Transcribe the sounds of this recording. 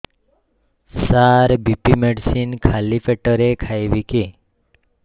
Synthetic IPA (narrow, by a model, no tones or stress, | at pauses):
saɾbipimeɖsinkʰalipʰeʈɔɾekʰajbike